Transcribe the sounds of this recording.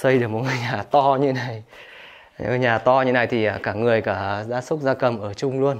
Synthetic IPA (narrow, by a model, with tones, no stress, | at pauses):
sə˧jɗɨ˨˩əkmo˨˩t̚ŋɨ˨˩jɲaː˨˩t̪ɔ˧ɲɨ˧˦na˨˩j | ɲaː˨˩t̪ɔ˧ɲɨ˧na˨˩jt̪ʰi˨˩ʔəː˨˩kaː˧˩ŋɨ˨˩əjkaː˧˩zaː˧˥sʊ˦˥k͡p̚zaː˧kə˨˩mʔəː˧˩t͡ɕʊ˧ŋ͡mlu˧ən